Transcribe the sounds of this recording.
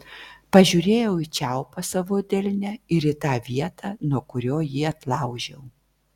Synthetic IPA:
pɐʒʲuːɾʲeːjɛʊɪt͡ʃʲæʊpɐsɐʋʊd̪ʲɛlʲnʲɛɪɾɪt̪ɑːʋʲiɛt̪ʰɑːnuɔkʊɾʲoːjiːɐt̪lˠɑˑʊʒʲɛʊ

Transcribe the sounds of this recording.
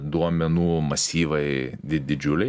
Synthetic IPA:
d̪uɔmʲɛnuːmɐsʲiːʋɐɪd̪ʲɪd̪ʲɪd͡ʒʲʊlʲɛɪ

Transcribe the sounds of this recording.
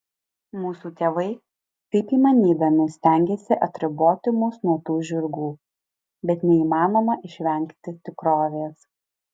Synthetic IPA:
muːsuːt̪ʲeːʋɐɪ | kɐɪpiːmɐnʲiːd̪ɐmʲɪsʲt̪ʲæˑŋʲɡʲeːsʲɪʔɐt̪ʲɾʲɪboːt̪ʲɪmʊsnuɔt̪uːʒʲʊɾɡuː | bʲɛt̪nʲɛiːmɑːnoːmɐʔɪʃʲʋʲɛŋʲˑkt̪ʲɪt̪ʲɪkɾoːʋʲeːs

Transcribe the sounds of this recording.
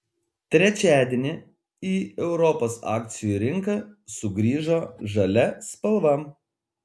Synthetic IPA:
t̪ʲɾʲɛt͡ʃʲæːd̪ʲenʲɪ | iːɛʊɾɔpoːsɑ̰ːk̚ʲt̪sʲɪjuːˑɾʲɪŋkɐsʊɡɾʲiːʒoːʒɐlʲɛspɐlˠʋɐ

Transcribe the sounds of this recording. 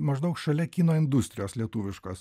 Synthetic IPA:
mɐʒd̪ɐʊkʃɐlʲɛkʲiːnoːɪnd̪ʊsʲt̪ʲɾʲɪjoːslʲiɛt̪uːʋʲɪʃkɐs

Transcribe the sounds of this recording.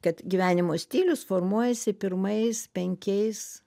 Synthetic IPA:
kɐt̪ɡʲiʋʲæːnʲɪmoːsʲt̪ʲiːlʲʊsfoːɾmuɔjɛsʲɪpʲɪɾmɐɪspʲɛŋʲkʲɛɪs

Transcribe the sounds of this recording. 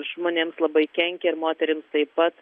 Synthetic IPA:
ʒmoːnʲeːmslˠɐbɐɪkʲɛŋʲkʲɛɪɾmoːt̪ʲɛɾʲɪmst̪ɐɪpɐt̪

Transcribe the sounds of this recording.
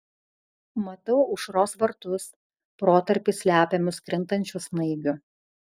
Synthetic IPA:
mɐt̪ɐʊʊʃɾoːsʋɐɾt̪ʊs | pɾoːt̪ɐɾʲpʲɪsʲlʲæːpʲemʲʊskɾʲɪnt̪ɐnʲt͡ʃʲʊsnɐɪɡʲʊ

